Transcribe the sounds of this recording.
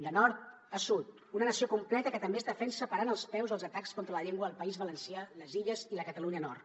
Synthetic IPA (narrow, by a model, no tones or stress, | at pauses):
d̪ənɔɾt̪̚ | əsut̪ | unənəsiokumplɛt̪əkət̪əmbezðəfɛnsəpəɾanəlˠspɛwzðəlˠzət̪akskɔnt̪ɾələʎeŋɡwəːlˠpəizβələnsialəziʎəziləkət̪əluɲənɔrt̪